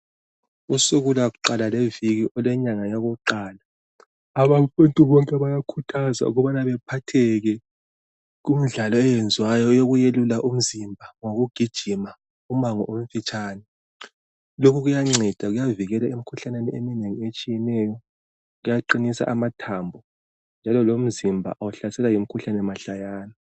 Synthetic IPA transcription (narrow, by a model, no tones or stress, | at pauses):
usuɣulaɣuǃalaleviɣiʔɔlɛɲaŋajaɣuǃaːla | aβafuntʼuβɔŋkʼɛβajakʰutʰaza̰ṵɣɔβanaβɛpʰatʰɛɣɛ | ɣum̩ɮalɔɛjɛnd͡zʱwajɔjoɣujelulaʔum̩zimbʱaŋoɣuɡ̥ʱid̥ʒ̥ʱima | umaŋɔ̰ʔom̩fit͡ʃʼaːnɛ | lokʰuɣujaŋ͡ǀɛd̥ʱaɣujaviɣɛlaim̩kʰuɬanɛniemineŋiet͡ʃʼijɛnɛjɔ | ɣujaǃinisa̰ʔamatʰambʱɔ | nd͡ʒʱalɔlom̩zimbʱa̰ʔawuɬasɛlajim̩kʰuɬanɛmaɬajaːna